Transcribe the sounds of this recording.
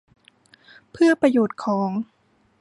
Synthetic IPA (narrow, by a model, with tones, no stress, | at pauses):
pʰɯ˥˩ɐpɾa˧joː˨˩t̪̚kʰɔː˩˦ŋ